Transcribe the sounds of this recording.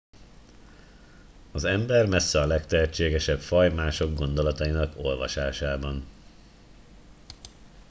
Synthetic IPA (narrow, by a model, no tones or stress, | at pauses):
ɒzɛmbɛrmɛsːɛɒlɛkt̪ɛɦɛt͡ʃːeːɡɛʃɛpfɒjmaːʃo̞ɡɡo̞nd̪o̞lɒt̪ɒjinɒko̞lvɒʃaːʃaːbɒn